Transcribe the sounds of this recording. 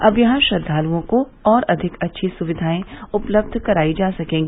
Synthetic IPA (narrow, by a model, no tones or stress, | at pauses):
ɐbjɐɦãʃɐd̪ʱːaːluõko | ɔːɾɐd̪ʱɪkɐtːʃʰisʊʋɪd̪ʱaːẽʊpləb̚d̪ʱkɐɾaːid͡ʒaːsɐkẽːŋɡi